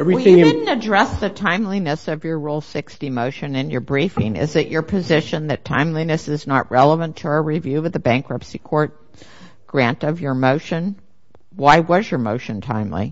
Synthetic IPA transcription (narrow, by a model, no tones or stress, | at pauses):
ɛvɹijɪ̃ɪdⁿn̩tɨdɹɛsðɨtʰãɪ̃mlinɨsʌvjə˞ɹulˠsɪkstimoʊʃɨ̃nɨ̃njə˞bɹifɪ̰̃ŋɪ̰zɨt͡ʃə˞pʰɨzɪʃɨ̃nðɨtʰã̰ɪ̃mlinɨsɨznəʔɹɛlˠəvɨ̃ntʰəːɹivjʉwɨðɨbæ̃ŋkɹʌpsikʰɔɹt̚ | ɡ̥ɹæ̃ntʌvjə˞moʊʃɨ̃n | waɪwʌzjə˞moʊʃɨ̃ntʰã̰ɪ̃mlḭ